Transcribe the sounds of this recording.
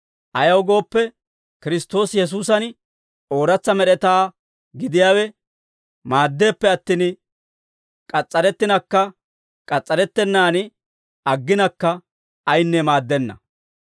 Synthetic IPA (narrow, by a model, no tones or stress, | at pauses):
ʔɐjɐwɡo̞ːpːɛ | kɪɾɪst̪o̞ːsjɛs̬uːs̬ɐn | o̞ːɾɐt͡sːɐmɛɗɛt̪aː | ɡɪd̪ɪjaːwɛ | maːd̪ːe̞ːpːɛɐt̪ːin | kʼɐt͡sʼːɐɾɛt̪ːɪnɐkːɐ | kʼɐt͡sʼːɐɾɛt̪ːɛnːaːn | ɐɡːɪnɐkːɐ | ɐjnːɛmaːd̪ːɛnːɐ̰